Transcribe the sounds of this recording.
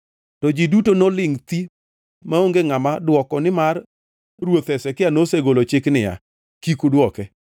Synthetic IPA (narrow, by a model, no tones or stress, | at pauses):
tɔd͡ʒidutonolɪŋt̪i | maoŋɡeŋamadwɔkɔnɪmar | rwot̪ɛsɛkɪanoseɡolot͡ʃɪknɪja̰ | kikodwɔkɛ